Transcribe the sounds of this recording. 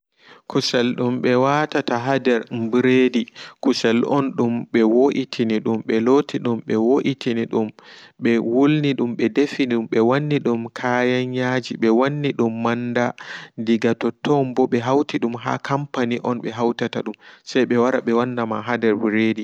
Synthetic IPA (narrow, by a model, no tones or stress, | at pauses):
kusɛlɗumɓɛwatataɦadɛɾbɾedikusɛlʔɔnɗumɓɛwoʔitʰiniɗumɓɛlotʰiɗumɓɛwoʔitʰiniɗumɓɛwulniɗumɓɛdefiumɓɛwanːiɗumkʰajaɲːad͡ʒiɓɛwanːiɗumːandandiɡatɔtʰɔmbɔɓɛɦawtiɗumɦa̰kʰampaniʔɔnɓɛɦawtataɗumsajɓɛwaɾaɓɛwandamaɦadɛɾbɾedi